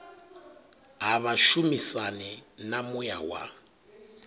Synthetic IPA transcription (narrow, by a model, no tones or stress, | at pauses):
ɦaβaʃumisanɛnamuja̰wa̰